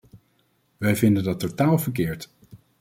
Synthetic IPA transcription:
ʋɛjvɪndəndɑtotaːlˠvəɹk̬ɪːɹt

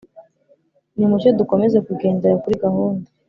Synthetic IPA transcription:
nimuʃeduko̞me̞zekuɡe̞ːndeɾakuɾiɡahuːnde

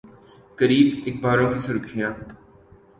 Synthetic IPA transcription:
kəɾiːbɪk̚baːɾõkisʊɾkʰɪjãː

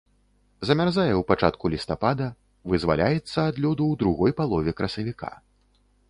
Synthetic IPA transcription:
zɐmʲarzajɛwpat͡ʂa̰t̪̚kulʲist̪apad̪ɐ | vɨzva̰lʲʔajɛt̪sːɐːd̪lʲɔd̪uwd̪ɾuɣɔjpalˠɔvʲɛkɾɐsɐvʲika̰

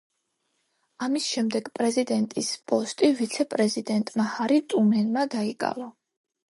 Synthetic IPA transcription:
amisʃɛmd̪ɛɡpʼɾɛzid̪ɛnt̪ʼispʼɔst̪ʼivit̪sʰɛpʼɾɛzid̪ɛnt̪ʼmahaɾit̪ʼumɛnmad̪aikʼa̰va

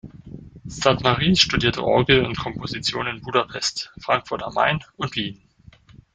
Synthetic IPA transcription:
satmaʁiːʃtudiːɐtʰə̰ʔɔɐɡl̩ʊntkʰɔmpʰozit͡sjoːnɪnbuːdapʰɛstfʁ̥aŋkfʊɐtama̰ɪnʊntliːn

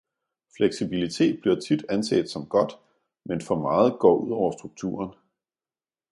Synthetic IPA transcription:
fleɡ̥sib̥ilit͡sʰe̝̰ːd̥̚b̥liɐt͡sʰid̥ænsḛd̥sɒ̽mɡ̥ɒ̽d̥ | menfɒ̽mɑ̈ːð̞̩ˠɡ̥ɒ̰ːʔuð̰ˠɒʊ̰ɐsd̥ʁuɡ̥̚t͡sʰṵːɐn

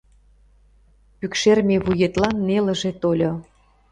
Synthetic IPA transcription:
pykʃermeβujet̪lɑnːelə̆ʒet̪olʲo

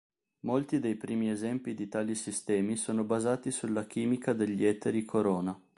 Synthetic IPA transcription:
molt̪id̪ejpɾiːmiezɛmpid̪it̪aːlisist̪ɛːmisoːnobazaːt̪isulːak̟iːmikad̪eʎːiɛt̪ːeɾikʰoɾoːna

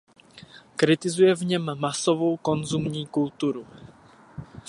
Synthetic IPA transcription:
kɾɪt̪ɪzujɛvɲɛmːasovowkonzumɲiːkult̪uɾu

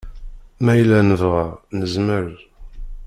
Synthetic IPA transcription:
mæjlːænəvʁəʁnəzməɾ

